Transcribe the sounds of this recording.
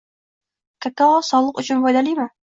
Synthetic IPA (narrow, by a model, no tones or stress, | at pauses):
kʲʰakʰːaʁɒsɒlˠɨqʊt͡ʃʰʊnbɒjd̪alijmɪ